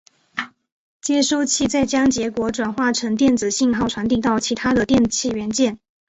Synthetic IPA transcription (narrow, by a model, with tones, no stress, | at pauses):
t͡ɕjɛ˥ʂo˥˧ʊt͡ɕʰi˥˧t͡sa˥˩ɪt͡ɕjɑ˥ŋt͡ɕjɛ˧˥kwɔ˧˥ʈ͡ʂwa˨˩nxwa˥˩ʈ͡ʂʰɤ˧˥ŋt̪jɛ˥˩nt͡sɹ̩˨˩ɕi˥˧ŋxɑ˥ʊʈ͡ʂʰwa˧˥nt̪i˨˩t̪ɑ˥˩ʊt͡ɕʰi˧˥t̪ʰa˥d̪ə˨t̪jɛ˥˧nt͡ɕʰi˥˩ɥɛ˧˥nt͡ɕjɛ˥˩n